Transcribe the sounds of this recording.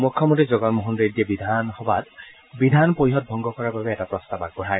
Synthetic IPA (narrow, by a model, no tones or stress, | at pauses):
mukʰːɔmɔntizɔɡɔnmɔɦundɹediɛbid̪ʱanxɔbat | bidʱanpojiɦɔt̚bʱɔŋɡɔkɔɹababɛɛtapɹɔstabak̚bɔɹaj